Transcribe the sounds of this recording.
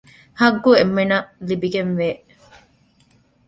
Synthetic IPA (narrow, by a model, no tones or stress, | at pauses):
hɐɡːuemːenɐlibiɡenʋeː